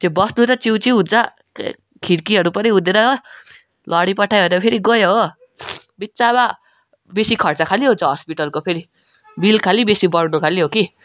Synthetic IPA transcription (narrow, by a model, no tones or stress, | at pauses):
t̪jobʌsnuɾʌt͡siwt͡siɦũnt͡sʰʌ̰ | kʰiɾkiɦʌɾupʌniɦũd̪eɾʌ | lʔʌɽipʌʈʰajɦonʌpʰeɾiɡʌjoɦo | bitːt͡saβa | besikʰʌrt͡sakʰaliɦũnt͡sʰʌɦʌspiʈʌlkopʰeɾi | bilkʰalibesibʌɽnukʰaliɦoki